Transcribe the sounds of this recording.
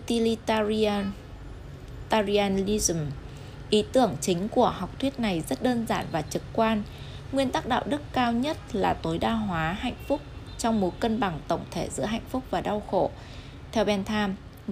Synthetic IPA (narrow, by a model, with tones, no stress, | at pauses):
t̪i˧li˧ | t̪aː˧zi˧aː˧nli˧zm | ʔi˨˦t̪ɨ˧˩əŋt͡ɕï˨˦ŋ̟ku˧˩əha˨˩wk͡p̚t̪ʰwi˦˥t̚na˨˩jzə˦˥t̚ɗəː˧nzaː˧˩nvaː˨˩t͡ɕɨ˨˩k̚kwaː˧n | ŋwi˧ənt̪aː˦˥k̚ɗa̰ː˧˨wɗɨ˦˥kkaː˧wɲə˦˥t̚laː˨˩t̪o˨˦jɗaː˧ɦwaː˨˦ɦa̰˧˨jŋ̟fʊ˦˥k͡p̚ | t͡ɕɔ˧wŋ͡mmo˨˦kə˧nɓa˨˩ŋt̪ə̰˧˩wŋ͡mt̪ʰe˧˩zɨ̰˧˥əɦa̰˧˨jŋ̟fʊ˦˥k͡p̚vaː˨˩ɗa˧wxo̰˧˨ | t̪ʰɛ˧wɓɛ˧nt̪ʰaː˧m